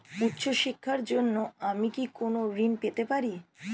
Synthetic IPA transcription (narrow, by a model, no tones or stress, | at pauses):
ut̪ːɕʰoʃikʰːaɾd͡ʑonːoamikikonoɾinpet̪epaɾi